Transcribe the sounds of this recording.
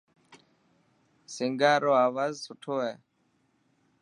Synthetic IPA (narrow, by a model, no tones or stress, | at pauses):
sɪŋɡaːɾoːaːʋaːzsʊʈʰoːɦɛː